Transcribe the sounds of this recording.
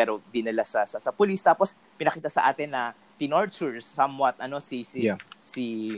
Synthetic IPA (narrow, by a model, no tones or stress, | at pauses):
ɛɾod̪ɪnɐlasɐsɐsɐpʊlist̪aːpos | pɪnɐkiːt̪ɐsɐʔa̰ːt̪ɛnːɐ | t̪ɪnoɹt͡ʃuɹsːɐmwɐt̪̚ʔɐno̞sisisi